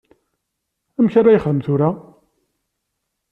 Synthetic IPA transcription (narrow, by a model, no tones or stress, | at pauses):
æmçaɾːajəχəðəmt̪ʊɾa